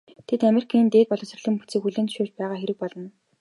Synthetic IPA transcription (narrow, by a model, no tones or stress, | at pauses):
t̪ʰet̪ameɾi̥kʰiːnt̪eːt̪pɔɮɞ̆sr̆ɮə̆mpu̥t͡siːkxuɮĕnʃʊːt͡ɕ̚pæːʁaːxeɾɘ̆k̚pɔɮɞ̆n